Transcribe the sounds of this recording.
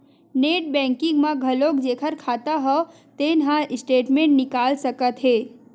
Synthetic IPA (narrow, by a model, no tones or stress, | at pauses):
neːʈ̚bɛ̃ːŋkɪ̃ŋɡmãɡʱɐlokd͡ʒeːkʰəɾkʰaːt̪aɦɔ | t̪eːnɦãɪsʈeːʈmẽːʈnɪkaːlsəkət̪ɦeː